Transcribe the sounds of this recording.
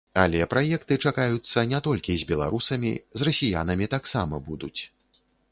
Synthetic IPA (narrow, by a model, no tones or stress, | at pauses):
ɐlʲɛpɾajɛkt̪ɨt͡ʂakajut̪sːɐnʲɛt̪ɔlʲkʲizʲbʲɛlˠa̰ɾusɐmʲḭzrɐsʲijanɐmʲit̪aksamɐbud̪ut͡sʲ